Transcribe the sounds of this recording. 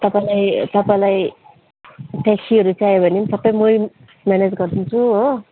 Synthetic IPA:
t̪ʌpãjlajt̪ʌpajlaj | ʈasiʌɾut͡sajebʱʌnimsʌbʌjmoj | mjaned͡zɡʌrd̪int͡sʰuɦo

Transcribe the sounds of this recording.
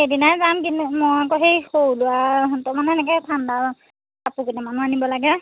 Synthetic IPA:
edinazamkinmɔjakɔɦejxowlʊatɔmanɛɛnɛkɛtʰandaɹ | sapukɔnɛmanuanibɔlaɡɛ

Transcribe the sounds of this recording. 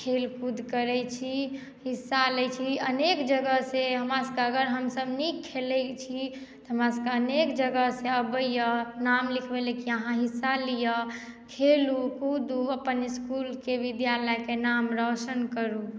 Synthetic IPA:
kʰelkud̪ʱkəɾɛt͡ʃʰi | ɦisːalɛt͡ʃʰiənekd͡ʒəɡəseɦəmɾasəkeəɡəɾɦəmsəbnikʰːelɛt͡ʃʰi | tt̪ɔɦəmɾasəkeənekd͡ʒəɡəseəbəjənamlikʰbelekiəɦãɦisːalijə | kʰelukud̪uəpːəniskulkeʋid̪jaləjkenamɾɔsənkəɾu

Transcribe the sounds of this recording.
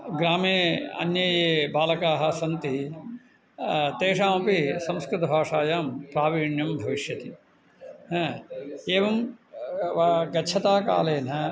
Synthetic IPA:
ɡɾaːmeːɐ̰njɐjeːbaːlɐkaːɦɐ̆sɐnt̪i | t̪eːʂaːmɐpisɐ̃mskɾɨt̪ɐbʱaːʂaːjaːmpɾaːʋiːɳjɐmbʱɐʋiʃjɐt̪i | eːʋɐm | ʋɐɡɐt͡ʃʰɐt̪aːka̰ːleːnɐ

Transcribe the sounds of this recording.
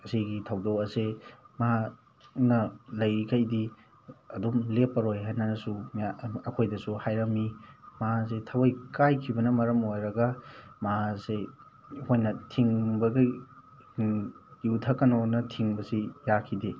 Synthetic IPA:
ɐsiɡitʰɐwdokɐsemaɦa | nɐlɐjkʰɐjdi | ɐdumlepːɐɾojɦajnɐsumaɐkʰojdɐsuhajɾɐmːimaasetʰɐwɐjkajkʰibɐnɐmɐɾɐmojɾɐɡɐmase | hojnɐtʰiŋbɐɡi | jutʰɐkːɐnonɐtʰiŋbɐsijakʰide

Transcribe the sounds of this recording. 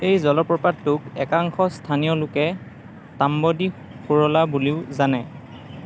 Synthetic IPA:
ejzɔlɔpɹɔpatːʊkɛkaŋxɔstʰanijɔlʊkɛ | tambɔdi | xuɹɔlabuliʊzanɛ

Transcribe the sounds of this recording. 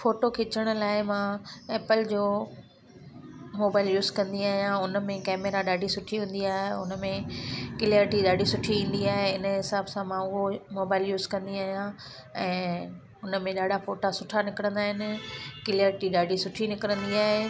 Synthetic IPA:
foːʈokʰet͡ɕəɽ̃ə̆laːɪmãeːpɪld͡ʑoː | moːbaːɪljuːzkɐ̃nd̪iaːɦijãʊnəmẽkɛːmeːɾaɗaːɖʱisʊʈʰiɦũːn̆d̪iaːɦeʊ̰nəmẽkɪlijəɾʈiɗaːɖʱisʊʈʰiĩːn̆d̪iaːɦeɪnəɦɪsaːbsãmãʊɦomoːbaːɪljuːzkɐ̃nd̪iaːɦijã | ɛ̃ː | ʊnəmẽɗaːɖʱafoːʈasʊʈʰanɪkɪɾə̃nd̪aːɦɪnɪ̆kɪləɾʈiɗaːɖʱisʊʈʰinɪkɪɾə̃nd̪iaːɦe

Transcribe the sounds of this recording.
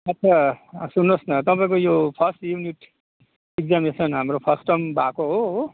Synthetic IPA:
ʌt̪ːsʰasunːosnʌt̪ʌpãĩkojopʰʌsʈjuniʈ | iɡ̚d͡zamnesʌnɦamɾopʰʌsʈʌmbakoɦoɦo

